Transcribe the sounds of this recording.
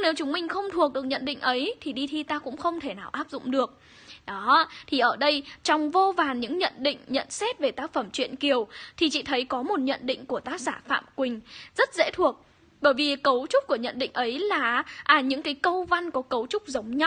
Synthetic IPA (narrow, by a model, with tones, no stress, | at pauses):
ɲɨ˧ŋne˨˦wt͡ɕʊ˨˦ŋ͡mmï˧ŋ̟xə˧wŋ͡mt̪ʰu˨˩ək̚ɗɨ˨˩ək̚ɲə̰˧˨nɗḭ̈˧˨ŋ̟ʔə˨˦jt̪ʰi˨˩ɗi˧t̪ʰi˧t̪aː˧kʊ̰˧˥ŋ͡mxə˧wŋ͡mt̪ʰe˧˩naː˨˩wʔaː˦˥p̚zʊ̰˧˨ŋ͡mɗɨ˨˩ək̚ | ɗɔ˨˦t̪ʰi˨˩ʔəː˧˩ɗə˧jt͡ɕɔ˧wŋ͡mvo˧vaː˨˩nɲɨ̰˧˥ŋɲə̰˧˨nɗḭ̈˧˨ŋ̟ɲə̰˧˨nsɛ˦˥t̚ve˨˩t̪aː˦˥k̚fə˧˩mt͡ɕwḭ˧˨ənki˨˩əwt̪ʰi˨˩t͡ɕḭ˧˨t̪ʰə˨˦jkɔ˨˦mo˨˩t̚ɲə̰˧˨nɗḭ̈˧˨ŋ̟ku˧˩ət̪aː˦˥k̚zaː˧˩fa̰ː˧˨mkwï˨˩ŋ̟zə˦˥t̚zɛ̰˧˥t̪ʰu˨˩ək̚ | ɓəː˧˩jvi˨˩kə˨˦wt͡ɕʊ˦˥k͡p̚ku˧˩əɲə̰˧˨nɗḭ̈˧˨ŋ̟ʔə˨˦jlaː˨˩ʔaː˧˩ɲɨ̰˧˥ŋkaː˨˦jkə˧wva˧nkɔ˨˦kə˨˦wt͡ɕʊ˦˥k͡p̚zə˨˦wŋ͡mɲa˦w